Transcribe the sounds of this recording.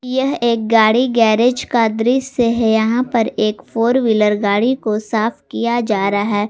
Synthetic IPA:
jɐɦeːk̚ɡaːɽiɡɛːɾed͡ʒkaːd̪ɾiseɦjɐɦãpɐɾeːkfoːɾʋiləɾɡaːɽikosaːfkijad͡ʒaːɾaɦɛː

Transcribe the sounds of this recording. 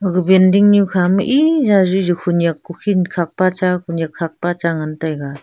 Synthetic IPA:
ɡɯbendiŋnikʰamɯʔizazɯzɯkʰunjakːukʰinkʰak̚pat͡ʃakʰunjakʰːak̚pat͡ʃaŋantajɡa

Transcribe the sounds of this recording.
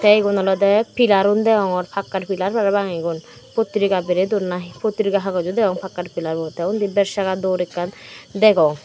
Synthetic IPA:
t̪ɛjɡɔnɔlɔd̪ɛpilaɾund̪ɛɡɔŋɔɾpʰakːaʈpʰilaɾpaɾabaŋiɡɔn | pot̪ːɾikabeɾed̪uɾnaɦipot̪ɾikaɦaɡɔd͡ʒud̪ɛɡɔŋpʰakːaʈpilaɾbɔt̪ɛund̪ibɛɾʃakad̪ɔɾɛkːand̪ɛɡɔŋ

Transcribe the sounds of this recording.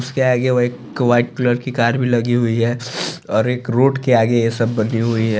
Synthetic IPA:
ʊskeaːɡeɐeːk | ʋaːɪʈ̚kləʈkikaːɾbʱilɐɡiɦʊiɦɛːɔːɾeːkɾoːʈkeaːɡejesɐbːɐniɦʊiɦɛ

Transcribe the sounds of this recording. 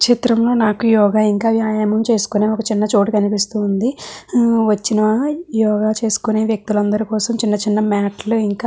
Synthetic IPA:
kʂit̪ɾɐmlo̞ːnaːkujɔːɡaːiŋkaːʋjaːjaːmɐmt͡ʃe̞ːsu̥kuneːɔkɐt͡ʃinːɐt͡ʃo̞ːʈikɐnipist̪uːnd̪i | ʋɐt͡ʃːinɐjɔːɡaːt͡ʃe̞ːsu̥kune̞ːʋjɐk̚t̪ulɐnd̪ɐɾikɔːsɐmt͡ʃinːɐt͡ʃinːɐmaːʈluiŋkaː

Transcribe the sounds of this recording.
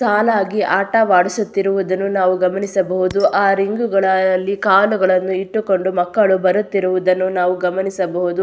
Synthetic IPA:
saːlaːɡiʔaːʈɐʋaːɽisut̪ːiɾuʋud̪ɐnːunaːʋuɡɐmɐnisɐbɐɦud̪uʔaːɾiŋɡuɡɐɭɐlːikaːluɡɐɭɐnːuiʈːuko̞ɳɖumɐkːɐɭubɐɾut̪ːiɾuʋud̪ɐnːunaːʋuɡɐmɐnisɐbɐɦud̪u

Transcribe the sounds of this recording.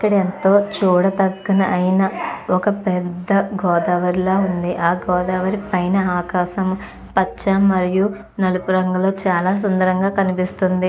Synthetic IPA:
ikːɐɽient̪o̞ːt͡ʃuːɽɐt̪ɐɡːɐnɐʔːjnɐɔkɐpɛd̪ːɐɡɔːd̪aːʋɐɾiloːund̪iʔaːɡɔːd̪aːʋɐɾipɐjnɐaːkaːʃɐm | pɐt͡ʃːamːɐɾiju | nɐlupuɾɐŋɡɐlo̞ːt͡ʃaːlaːs̬ɐnd̪ɐɾɐŋɡaːkɐnipist̪und̪i

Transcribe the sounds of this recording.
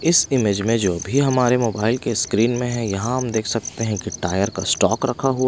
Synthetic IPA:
ɪsɪmeːd͡ʒmẽd͡ʒoːbʱiɦɐmaːɾemoːbaːɪlkeskɾiːnmẽɦɛ̃jɐɦãɦɐmd̪eːkʰsɐk̚t̪eɦɛ̃kiʈaːjəɾkasʈɔːkɾɐkʰaɦua

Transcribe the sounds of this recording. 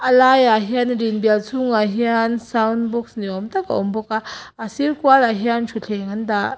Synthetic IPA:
ʔɐlajaɦianɾinbialsuŋaɦiansawnbɔksniɔmt̪aka̰ʔɔmbɔkaasirkualaɦiant͡ʃʰuɬʰɛŋand̪a

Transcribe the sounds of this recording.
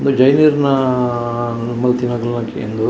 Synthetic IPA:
nd̪ud͡ʒɐjniɾnɐ | mːɐlt̪inaɡɐlnɐkḛnd̪u

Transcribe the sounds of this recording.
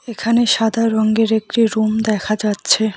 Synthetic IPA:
ekʰaneʃad̪ʱaɾɔŋɡeɾek̚ʈiɾumd̪ɛkʰad͡ʑatːɕʰe

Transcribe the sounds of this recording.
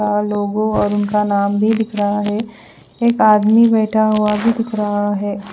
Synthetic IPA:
aloːɡõɔːɾʊnkanaːmbʱid̪ɪkɾəɦaɦɛ | eːkaːd̪mibɛːʈʰaɦuabʱid̪ɪkɾəɦaɦɛː

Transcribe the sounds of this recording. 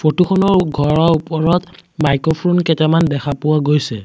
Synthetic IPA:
fʰotuxʰɔnɔɹɡʱɔɹɔɹupɔɹɔtmajkopʰɹonkɛtɛmandɛxapʊwaɡojsɛ

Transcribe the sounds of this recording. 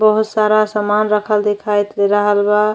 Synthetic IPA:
bəɦut̪saɾasəmanɾəkʰəld̪ekʰajt̪leɾəɦəlba

